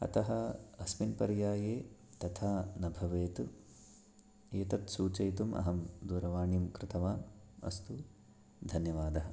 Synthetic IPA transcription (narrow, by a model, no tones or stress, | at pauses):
ɐ̰t̪ɐɦɐɐsminpɐɾjaːjeːt̪ɐt̪ʰaːnɐbʱɐʋeːt̪u | eːt̪ɐt̪suːt͡ʃɐjt̪umʔɐ̰ɦɐmd̪uːɾɐʋaːɳimkɾɪt̪ɐʋaːmɐ̰st̪u | d̪ʱɐnjɐʋaːd̪ɐɦɐ̆